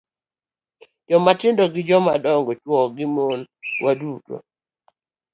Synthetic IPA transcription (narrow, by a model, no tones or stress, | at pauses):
d͡ʒɔmatɪndɔɡɪd͡ʒɔmadɔŋɡɔt͡ʃwɔɡɪmonwʔaduto̰